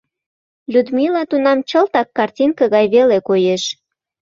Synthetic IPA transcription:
lʲud̪milɑt̪unɑmt͡ɕəlt̪ɑkːɑrtʲinkəɣɑjβelekojeʃ

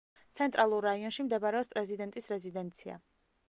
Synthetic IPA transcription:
t̪sʰɛnt̪ʼɾalˠuɾːaiɔnʃimd̪ɛbaɾɛɔspʼɾɛzid̪ɛnt̪ʼisɾɛzid̪ɛnt̪sʰia̰

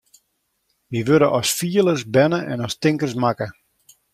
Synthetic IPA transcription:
ʋiʋødəʔɔsfiələsbɛnəʔɛnɔstɪŋkəsmakə

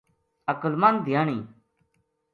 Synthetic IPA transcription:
əkəlmand̪ʱjaːɳiː

